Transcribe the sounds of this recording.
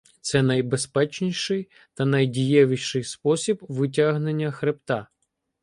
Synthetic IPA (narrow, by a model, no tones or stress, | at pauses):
t̪sɛnɐjbespɛt͡ʃnʲiʃɪj | t̪ɐnɐjdʲijɛʋʲiʃʃɪjspɔsʲibʋɪt̬ʲaɦnenʲːɐxɾɪpt̪ɑ